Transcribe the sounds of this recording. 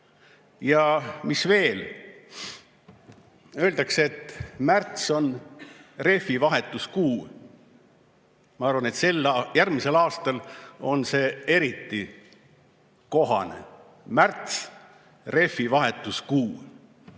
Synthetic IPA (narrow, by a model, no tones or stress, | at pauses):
jɑmisve̞ːl | ø̞ːld̪ɑkseet̪ːmært̪so̞n | re̞fivɑɦe̞t̪ːˑuskuː | mɑɑrvɑne̞t̪se̞lːjærmise̞lɑːst̪ɑlo̞nse̞ːe̞ɾit̪ːi | ko̞ɦɑ̰nḛ | mært̪s | re̞fivɑɦe̞t̪ːˑuskuː